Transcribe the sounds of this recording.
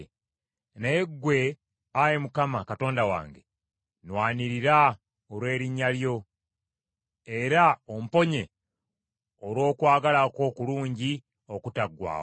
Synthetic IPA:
neeɡːwe̞ | ajemukamakato̞ːndawa̰ːŋɡe | nwaːniɾiɾa | oɾwe̞ːɾiɲːaljo̞ | e̞ɾao̞m̩po̞ɲe̞ | oɾwo̞ːkwaːɡalako̞ːkuluːɲɟi | o̞kutaɡːwa̰ːo

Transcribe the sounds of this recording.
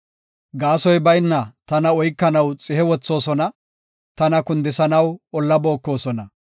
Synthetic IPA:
ɡaːsɔjbɐjnːɐt̪ɐnɐɔjkːɐnɐwt͡sʼɪhɛwɔt͡sːo̞ːsɔnɐ | t̪ɐnɐkʊnd̪ɪsɐnɐwɔlːɐboːkːo̞ːsɔnɐ

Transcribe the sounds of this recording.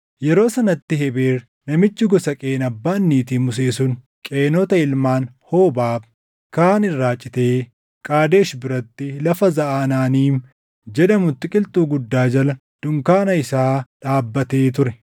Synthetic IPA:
jɛɾo̞ːsɐnɐt̪ːɪɦɛbeːɾ | nɐmɪt͡ʃːɪɡɔsɐkʼe̞ːnɐbːaːnːiːt̪iːmʊs̬eːsʊn | kʼe̞ːnɔt̪ɐɪlmaːnhoːbaːb | kaːnɪrːaːt͡ʃʼːɪt̪e̞ː | kʼaːd̪e̞ːʃbɪɾɐt̪ːɪlɐfɐzɐʔaːnaːniːm | d͡ʒɛᶑɐmʊt̪ːɪkʼɪlt̪ʼuːɡʊd̪ːaːd͡ʒɐlɐ | d̪̥ʊŋkaːnɐɪsaːᶑaːbːɐt̪eːt̪ʊɾɛ

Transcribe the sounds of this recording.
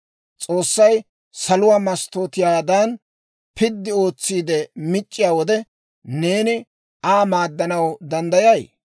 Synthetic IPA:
t͡sʼo̞ːsːɐj | sɐlʊwaːmɐst̪oːt̪ɪjaːd̪ɐn | pɪd̪ːɪo̞ːt͡sːiːd̪ɛmɪt͡ʃʼːɪjaːwɔd̪ɛ | ne̞ːnɪ | aːmaːd̪ːɐnɐwd̪ɐnd̪ɐjɐj

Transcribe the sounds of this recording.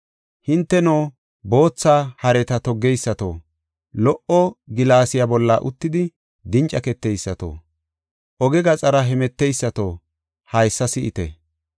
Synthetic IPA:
hɪnt̪ːɛnoː | bo̞ːt͡sːaːhɐɾɛt̪ɐt̪ɔɡːɛjsːɐt̪o̰ː | lɔʔɔɡɪlaːsɪjabɔlːa̰ːʔʊt̪ːɪd̪ɪ | d̪ɪnt͡ʃʼɐkɛt̪ːɛjsːɐt̪o̰ː | ʔɔɡɛɡɐt͡sʼɐɾɐɦɛmɛt̪ːɛjsːɐt̪oː | hɐjsːɐsɪʔɪ̰t̪ɛ̰

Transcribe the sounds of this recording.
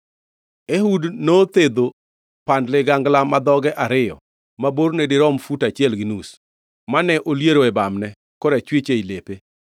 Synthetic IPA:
eɦudnot̪ed̪o | pandlɪɡaŋɡlamad̪ɔɡɛʔaɾɪjɔ̰ | maboɾnedɪɾɔmfutat͡ʃɪɛlɡɪnus | manɛʔoljeɾoɛbamnɛ | kɔɾɛt͡ʃwet͡ʃeilepe

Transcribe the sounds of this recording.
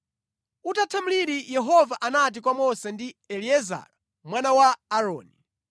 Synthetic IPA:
utatʰamuliɾijɛɦɔvaʔanat̬ik̬wamɔsɛndiɛliɛza̰ɾa | mwanawaːɾɔ̰ːni

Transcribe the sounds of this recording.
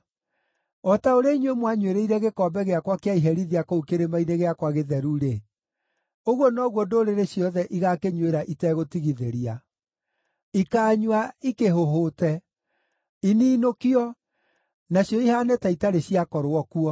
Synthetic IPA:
ɔtaoɾaiɲwemwaɲweɾeiɾɛɣekɔːbɛɣeakwakeaiɦɛɾiðiakoukeɾemaineɣeakwaɣeðɛɾuɾe | oɣwɔnɔɣwondoɾeɾeɕjɔðɛʔiɣakeɲweɾaʔitɛɣotiɣiðeɾia | ikaːɲwaikeɦoɦotɛ | iniːnokiɔ | naɕjɔihaːnɛtaitaɾeɕiakɔɾwɔkuɔ

